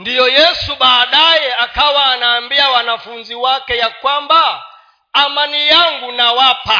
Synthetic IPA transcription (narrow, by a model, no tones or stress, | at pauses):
ndijɔjɛsuɓaːɗajɛakawaːnaːmbiawanafunziwakɛjakwambaː | manijaŋɡunawapa